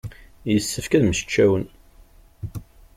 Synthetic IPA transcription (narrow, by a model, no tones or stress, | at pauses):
jəsːəfkæðməʃə̥t͡ʃːæwən